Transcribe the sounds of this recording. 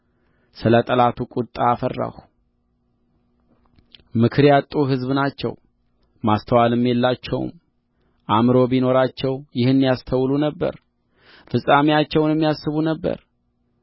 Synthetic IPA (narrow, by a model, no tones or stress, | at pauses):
sɨlət̪ʼəlat̪ʰukʼut̪ʼːaːfərːa̰h | mɨkʰɨɾjat̪ʼːuɦɨzβɨnat͡ʃːɛ̰w | mast̪ʰəwalɨmːjelːat͡ʃːɛ̰w̰m | ʔamɾo̞bino̞ɾat͡ʃːɛwjɪhɨnːijast̪ʰəwlunəbːə̰ɾ | fɨsʼːamejat͡ʃːɛwnɛmːijasːɨβunəbːə̰ɾ